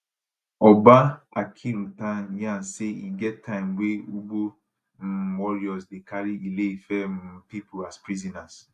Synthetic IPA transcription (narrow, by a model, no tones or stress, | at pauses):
ɔbaakʰiɾutaɲãseiɡɛttʰːaɪmweuɡ͡bo | m̩wɔɾiɔsdekaɾiileifɛm̩pipʰʊaspɾizɔnas